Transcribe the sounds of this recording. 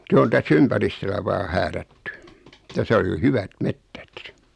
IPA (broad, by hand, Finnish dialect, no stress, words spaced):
se on tæsː ympæristølæ ʋɑː hæːrætːy tæsæ ol jo hyʋæt metːæt